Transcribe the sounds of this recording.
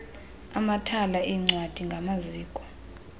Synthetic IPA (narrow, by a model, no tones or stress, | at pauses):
amatʰalaʔiŋ͡ǀwad̥ʱiŋɡʱamaziːkʼɔ̥